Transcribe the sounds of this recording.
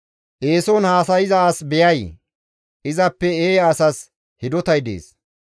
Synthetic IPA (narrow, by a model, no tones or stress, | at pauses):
ʔeːsɔnhaːsɐjɪzɐːsbɛjɐj | ʔɪzɐpːɛeːɐsɐs | hɪd̪ɔt̪ɐjd̪ḛːs